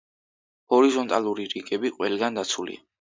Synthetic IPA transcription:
hɔɾizɔnt̪ʼalˠuɾiɾiɡɛbiqʼwɛlɡand̪at̪sʰulḭa

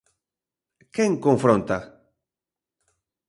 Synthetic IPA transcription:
keŋkõɱfɾõnt̪a

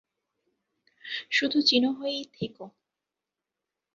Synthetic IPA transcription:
ʃud̪ʱut͡ɕinoɦoejt̪ʰeko

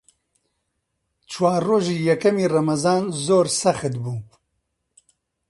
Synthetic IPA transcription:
t͡ʃʰwaːɾːoːʒiːjɛkɐmiːrɐmɐzaːnzoːɾsɐxɨt̪buː

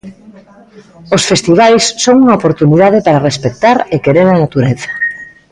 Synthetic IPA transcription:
osfest̪iβ̞ajsːoŋuŋaopoɾt̪uniðað̞epaɾarespek̚t̪aɾekeɾeɾanat̪uɾeθḁ

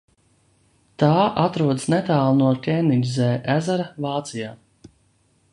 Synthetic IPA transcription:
t̪aːʔat̪ɾuɔd̪snɛt̪aːlˠnuɔt̪ʲɛninʲzɛːʔæzaɾavaːt̪sijaː

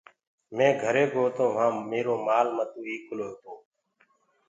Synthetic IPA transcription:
mẽːɡʱəɾeːɡoːt̪õːʋɦãːmeːɾoːmaːlmət̪uːiːkʊloːt̪oː

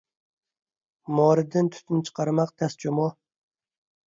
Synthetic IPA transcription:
mɒːɾɨd̪ɪnt̪ʰʊ̥t̪ʰnt͡ʃʰɨ̥qʰɑɾmɑq̚t̪ʰæst͡ʃʰʊmɒ

